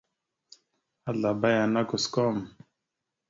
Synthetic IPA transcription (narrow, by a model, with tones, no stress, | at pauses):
a˦ɮa˨ba˦ja˨na˦ku˨skɔ˦m